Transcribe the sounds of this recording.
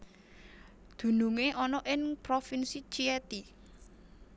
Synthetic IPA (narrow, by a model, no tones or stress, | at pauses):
d̪̥ṳnuŋeʔɔnɔʔɪŋpɾofinsit͡ʃiɛt̪i